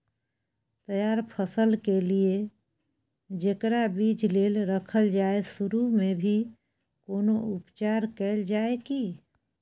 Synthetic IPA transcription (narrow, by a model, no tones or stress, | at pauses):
t̪əjaɾpʰəsəlkelie | d͡ʒekɾabid͡ʒlelɾəkʰəld͡ʒaesuɾumebʱi | konoupt͡ʃaɾkɛld͡ʒaeki